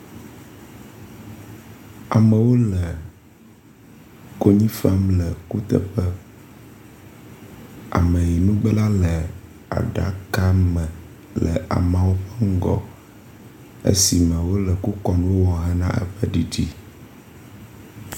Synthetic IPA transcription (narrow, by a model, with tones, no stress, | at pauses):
a̰˨mə̃˨wo˦lɛ˨ | ko˦ɲĩ˦fa˦mlɛ˨ku˦t̪ə̰˦ɸə˦ | a̰˨mɛ̃˨ji˨nũ˦ɡ͡bɛ˦la˦lə˨ | a̰˨ɖa̰˨˦ka˦mɛ̃˨ | lɛ̰˨ʔa̰˨mã˨wo˦ɸɛ˦ŋ̩˦ɡɔ̰˦ | ḛ˦si˨mɛ̃˨wo˦lɛ˨ku˦kɔ˨nũ˦wo˦wɔ˨ɦɛ˦nã̰˦ʔɛ̰˦ɸə˦ɖi˨d͡ʒi˦